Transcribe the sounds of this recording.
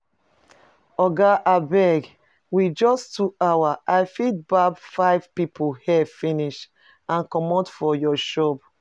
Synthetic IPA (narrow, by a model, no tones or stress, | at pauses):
ɔɡaʔabɛɡ | wid͡ʒɔstuawaʔajfid̚babfaɪv̥pipʰohɛfĩniʃ | ãnkɔmɔtfɔjɔʃɔp